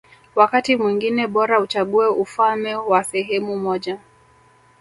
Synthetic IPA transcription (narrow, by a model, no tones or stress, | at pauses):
wakatimwiŋɡinɛɓɔɾaut͡ʃaɠuɛufalmɛwasɛɦɛmumɔʄa